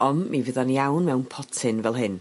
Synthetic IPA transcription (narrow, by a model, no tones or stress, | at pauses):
ɔnmivɪðanjawnmɛwnpʰɔtʰɪnvɛlˠɦɨn